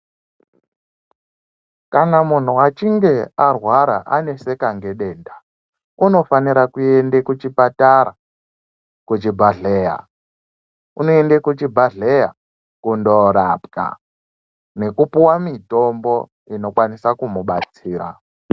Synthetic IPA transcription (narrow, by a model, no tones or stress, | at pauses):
kanamun̤uwat͡ʃiŋɡe̞arwaɾa̰ʔane̞se̞kaŋɡe̞ɗe̞ːnda | uno̞faniɾakue̞ndekut͡ʃipataɾa̰ | kut͡ʃibʱaɮeːja̰ | unoendekut͡ʃibʱaɮeja | kundo̞ɾapka̰ | ne̞kupuwamito̞mbo̞ | ino̞kwanisakumuɓat͡siːɾa̰